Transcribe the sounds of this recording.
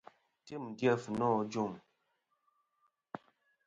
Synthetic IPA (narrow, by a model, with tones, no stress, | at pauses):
ti˦˨mɡjɛ˦˨fnɔ˦d͡ʒu˦˨m